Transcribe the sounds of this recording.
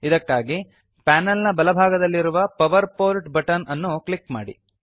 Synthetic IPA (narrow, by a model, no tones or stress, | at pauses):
id̪ɐkːaːɡi | paːnɐlnɐbɐlɐbʱaːɡɐd̪ɐlːiɾuʋɐpɐʋɐɾpoːlʈbɐʈɐnɐnːuklikma̰ːɽḭ